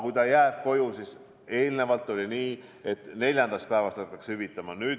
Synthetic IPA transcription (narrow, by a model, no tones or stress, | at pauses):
kujt̪ɑjæːb̥̚ko̞jusis | e̞ːlne̞vɑlt̪ːˑolʲiniː | e̞t̪ːne̞lʲjɑnd̪̥ɑst̪̚pæevɑst̪ɑɑt̪ːɑkshyvit̪ːˑɑmɑnyːd̪